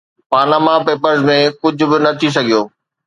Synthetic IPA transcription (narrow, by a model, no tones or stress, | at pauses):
paːɾnaːmapeːpəɾzmẽkʊd͡ʑʱʊ̆bɪnɐt̪ʰis̬ɐɡʱijoː